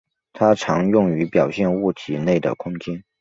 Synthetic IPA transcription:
t̪ʰa˥ʈ͡ʂʰɑ˧˥ŋjʊ˥˩ŋy˧˥pjɑ˨˩ʊɕjɛ˥˧nu˥˩t̪ʰi˨˩ne˥˩ɪd̪ə̰˩kʰʊ˥ŋt͡ɕjɛ˥n

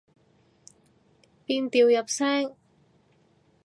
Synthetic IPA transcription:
piː˧nt̪iː˨wjɐ˨˩p̚sɛː˥ŋ

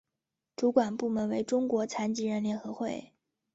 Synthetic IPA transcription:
ʈ͡ʂu˧˥kwa˨˩npu˥˩mə˧˥nwe˧˥ɪʈ͡ʂʊ˥ŋkwɔ˧˥t͡sʰa˧˥nt͡ɕi˧˥ɻə˧˥˩nljɛ˧˥nxɤ˧˥xwe˥˩ɪ

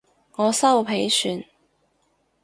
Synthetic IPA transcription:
ŋɔː˨˧sɐ˥wpʰe˨˥jsyː˨˧n

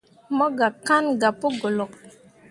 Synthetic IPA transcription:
mɔ˦ɡa˨ka˦nɡa˨pə˦ɡo˨lɔ˨k̚

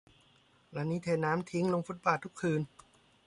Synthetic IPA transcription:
la˧niː˦˥t̪ʰeː˧˩nnaː˦˥mt̪ʰi˦˥ŋlo˧ŋfu˦˥t̪̚paː˨˩t̪ʰːu˥kʰːɯː˧n

